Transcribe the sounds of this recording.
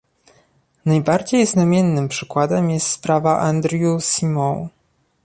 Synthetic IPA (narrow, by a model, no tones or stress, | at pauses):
najbaɾd͡ʑejznamʲjɛnːɘmpʂɘkwad̪ɛmjɛst̪spɾavaʔand̪ɾʲjusimɔ̃w